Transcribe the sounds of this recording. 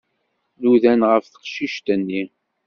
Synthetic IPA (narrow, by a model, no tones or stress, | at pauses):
nuðænʁəfθə̥qʃiʃt̪ənːi